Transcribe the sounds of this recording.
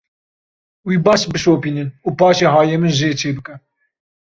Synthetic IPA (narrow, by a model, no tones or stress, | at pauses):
wiːbɑːʃbɨʃoːpiːnɨnuːpɑːʃeːɦɑːjemɨnʒeːt͡ʃʰeːbɨkɛ